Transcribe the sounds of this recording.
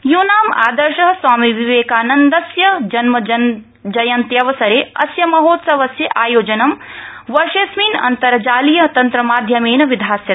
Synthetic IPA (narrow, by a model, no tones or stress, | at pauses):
joːnaːma̰ːd̪ɐɾʃɐɦɐswaːmiʋiʋeːkaːnɐnd̪ɐsjɐd͡ʒɐnmɐɐ | d͡ʒɐjɐnt̪jɐʋɐsɐɾeːɐ̰sjɐmɐɦoːt̪sɐʋɐsjɐʔaːjoːd͡ʒɐnɐmʋɐɾʃeːsmiːnɐ̰nt̪ɐɾɐd͡ʒaːlijɐt̪ɐnt̪ɾɐmaːd̪ʱjɐmeːnɐʋid̪ʱaːsjɐ